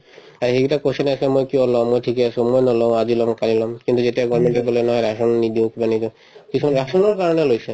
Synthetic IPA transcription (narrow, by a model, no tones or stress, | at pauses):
aɹɦeɡitakosɔnasemojkiɔlɔ̃mojtʰikeasũmojnɔlɔʊ̃ad͡ʒilɔmkalilɔmkint̪uzetiaɡɔɹmeɳʈɔkɔlojnɔɦɔjɾasɔnnid̪iʊ̃kibanid̪ĩ | kisʰumanɾasɔnɔɹkaɹɔnelojse